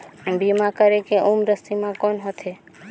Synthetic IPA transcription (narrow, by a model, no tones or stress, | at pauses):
bimakəɾekeʔumɾəst̪imãkonɦot̪ʰe